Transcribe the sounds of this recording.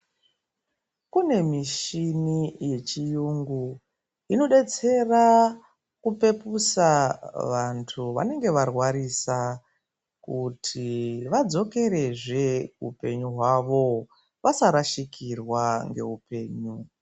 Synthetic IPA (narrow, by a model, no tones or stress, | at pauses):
kune̞miʃinije̞t͡ʃijuŋɡu | ino̞ɗe̞t͡se̞ra | kupe̞pusaʋantʰuʋa̰ne̞ŋɡe̞ʋarwaɾisa | kutʰiʋad͡zo̞ke̞ɾe̞ʐeupe̞ɲuɦwaʋo̞ | ʋasaɾaʃikirwaŋɡe̞̰upe̞ːɲu